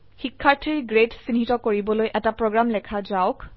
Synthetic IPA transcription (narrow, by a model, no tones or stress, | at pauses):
xikʰːaɹtʰiɹɡɹetsinɦitɔkoɹibɔlojʔɛtapɹoɡɹamlɛkʰazaʊk